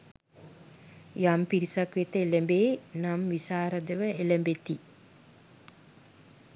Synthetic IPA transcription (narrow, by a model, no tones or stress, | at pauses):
jampiɾisakʋet̪əeləmbeːnamʋisaːɾəd̪əʋəeləmbet̪i